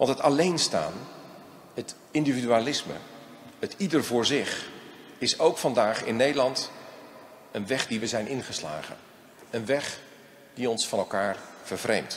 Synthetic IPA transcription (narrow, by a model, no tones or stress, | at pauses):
ʋɑntətɑlejnsta̰ːn | ɦət | ɪndividyaːlɪsmə̰ | ətidərvʊːɹzɪχ | ɪsowkfɑndaːχɪ̰nːejdəlɑnt | ənʋɛχdiʋəzɛjnʔɪnχəsla̰ːχə̰n | ənʋɛχ | d̥iɔnsfɑnɛlˠkaːɹv̥əɹvrejmt